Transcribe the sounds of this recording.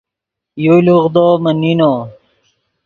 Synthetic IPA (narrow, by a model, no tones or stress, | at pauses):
juluʁd̪oːmənino